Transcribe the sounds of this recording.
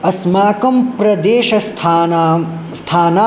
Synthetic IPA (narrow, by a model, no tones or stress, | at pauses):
ɐsmaːkɐmpɾɐd̪eːʃɐ | st̪ʰaːnaː